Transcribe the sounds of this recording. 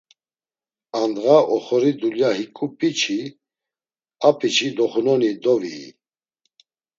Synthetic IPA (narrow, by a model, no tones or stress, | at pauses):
and̪ɣaʔɔχɔɾid̪uljaɦikʼupʼit͡ʃʰi | apʼit͡ʃʰid̪ɔχunɔnid̪ɔvḭː